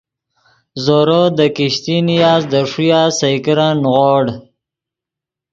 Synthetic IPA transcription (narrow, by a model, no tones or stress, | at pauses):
zoɾod̪əkiɕt̪inijaːzd̪əʂujaːsajkəɾanɣoːɽ